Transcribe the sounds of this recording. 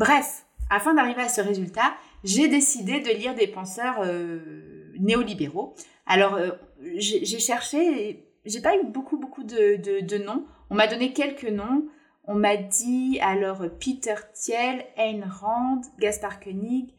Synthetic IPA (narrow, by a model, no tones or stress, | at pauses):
bʁɛf | afɛ̃d̪aʁiveasəʁezylt̪aʒed̪esid̪ed̪əliʁd̪epɑ̃sœʁø | neɔlibeʁo | alɔʁøʒeʒeʃɛʁʃe | ʒepaybokubokud̪əd̪əd̪ənɔ̃ | ɔ̃mad̪ɔnekʲɛlkənɔ̃ | ɔ̃mad̪ialɔʁpit̪œʁt̪jɛlɛnʁɑ̃d̪ɡaspaʁkɔniɡ